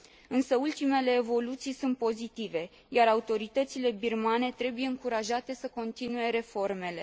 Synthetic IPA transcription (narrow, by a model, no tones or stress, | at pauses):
ɨnsəult̪ime̞le̞ːvo̞lut̪sijsunt̪̚po̞zit̪ive̞ | jaɾaut̪o̞ɾit̪ət̪sile̞birmane̞t̪ɾe̞buje̞ɨŋkuɾaʒat̪e̞səko̞nt̪inue̞ɾe̞fo̞rme̞le̞̰